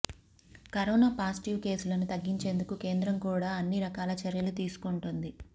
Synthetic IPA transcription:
kɐɾɔːnaːpaːsʈiʋke̞ːsulɐnut̪ɐɡːiɲt͡ʃe̞ːnd̪ukuke̞ːnd̪ɾɐmkuːɽaːɐnːiɾɐkaːlɐt͡ʃɐɾjɐlut̪iːsu̥koɳʈund̪i

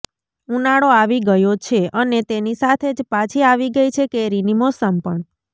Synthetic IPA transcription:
ũnaɽoaʋiɡəjot͡ʃʰeʔənet̪enisat̪ʰed͡ʒpat͡ʃʰiaʋiɡəjt͡ʃʰekeɾinimosəmpəɳ

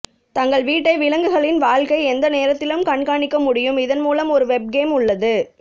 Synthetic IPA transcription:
t̪ɐŋɡɐɭʋiːʈːɐɪʋɪlɐŋɡɯɣɐɭɪnʋaːɭkɐɪɛnd̪ɐneːɾɐt̪ːɪlɯmkɐɳkaːɳɪkːɐmʊɽɪjɯmɪðɐnmuːlɐmɔɾɯʋɛb̚ɡeːmʊɭːɐðɯ

